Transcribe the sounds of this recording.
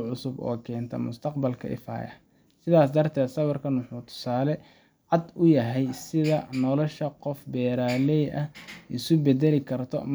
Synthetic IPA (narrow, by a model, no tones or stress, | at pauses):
ʕʊsʊbɔ̰ːkʰɛːnt̪ʰɐ̰mʊ̰st̪ʰɐqbɐlkʰɐ̰ʔɪ̰fa̰ːjɐ̰ | sɪðaːs̬d̪ɐrt̪ʰɛːd̪sɐβɐrkʰɐnwʊħuːt̪ʰʊ̥saːlɛ | ʕɑd̪ʊjɐɦɛjsɪðɐnɔlɔʃɐqɔfbɛːɾaːlɛjʔɐhɪsʊbɛd̪ɛlɪkʰɐrt̪ʰɔ̰m